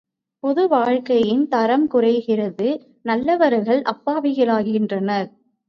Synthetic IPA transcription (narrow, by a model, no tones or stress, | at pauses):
pɔðɯʋaːɻkɐjɪnt̪ɐɾɐmkʊrɐɪɣɪrɐðɯ | nɐlːɐʋɐɾɣɐɭʔɐpːaːʋɪɣɐɭaːɣɣɪndrɐnɐɾ